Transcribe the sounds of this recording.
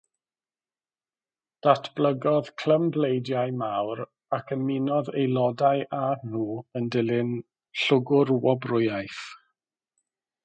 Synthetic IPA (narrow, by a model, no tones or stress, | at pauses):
d̥atʰb̥lˠəɡɔð̥kʰl̥əmblejdjajmawɾ | akʰənmɪnɔðejlˠɔdajʔanuːəndɪlɪn | ɬʊɡʊɾwɔbrʊɨajθ